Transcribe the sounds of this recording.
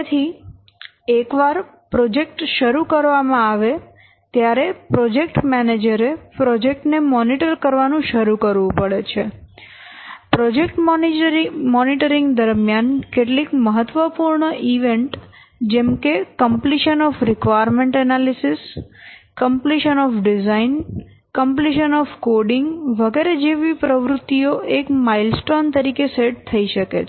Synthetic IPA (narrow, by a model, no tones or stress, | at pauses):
t̪ʰi | ekʋaɾ | pɾɔd͡ʒek̚ʈʃəɾukəɾʋamãaʋe | t̪jaɾepɾɔd͡ʒekʈmɛned͡ʒəɾepɾɔd͡ʒek̚ʈnemɔniʈəɾkəɾʋanũʃəɾukəɾʋũpəɭet͡ʃʰe | pɾɔd͡ʒekʈmɔnimɔniʈəɾiŋɡd̪əɾmjankeʈlikməɦət̪ːʋəpuɾɳəʔiʋeɳʈ | d͡ʒɛmkekəmpliʃənɔfɾɪkʋajəɾmeɳʈənalisiskəmpliʃənɔfɖizain | kəmpliʃənɔfkoɖɪŋɡʋəɡeɾed͡ʒeʋipɾəʋɾʊt̪ːioʔekmailsʈont̪əɾikeseʈt̪ʰːəiʃəkḛ